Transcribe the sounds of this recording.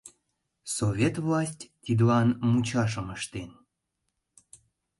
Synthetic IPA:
sovʲet̪vlɑsʲtʲt̪ʲid̪lɑnmut͡ɕɑʃ̬əməʃt̪en

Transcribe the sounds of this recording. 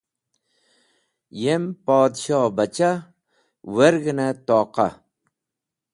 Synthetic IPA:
jempɑːd̪ʃɑːbat͡ʃʰa | weɾɡɪnat̪ɑːqɑ̰

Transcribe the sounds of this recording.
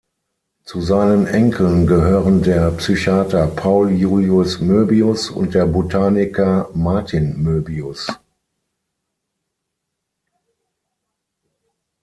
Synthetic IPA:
t͡suzaɪnənʔɛŋkʰl̩nɡəɦøːʁəndeːɐpsyçaːtɐpʰaʊljuːliʊsmøːbiʊsʊ̰nt̚d̥eːɐbotʰaːnɪkɐmaɐtʰɪnmøːbiʊs

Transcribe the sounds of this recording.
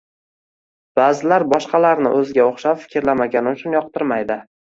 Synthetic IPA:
b̥aːzɪlaɾbɒʃqʰɑlaɾnɪ̰ʔɵzɪɡʲaoχʃapfɪ̥kʲʰɪɾlamaɡʲanɪʊt͡ʃʰʊnjɒq̚t̪ɪɾmajd̪ɪ

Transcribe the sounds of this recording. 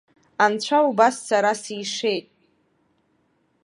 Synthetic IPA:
ant͡ɕʷʰaubassaɾasiʂe̞jtʼ

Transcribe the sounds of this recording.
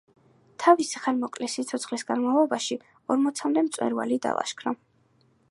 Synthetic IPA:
t̪ʰavisiχanmɔkʼlɛsit̪sʰɔt̪sʰχlisɡanmalˠɔbaʃi | ɔɾmɔt̪sʰamd̪ɛmt̪sʼwɛ̰ɾva̰lid̪a̰lˠa̰ʃkʰɾɔ

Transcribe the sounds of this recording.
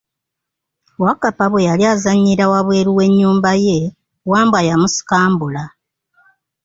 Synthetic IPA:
wakapaβwe̞jaljaːzaɲːiɾawaβwe̞ːɾuwe̞ɲːuːmbaje̞ | waːmbajamusi̥kaːmbula

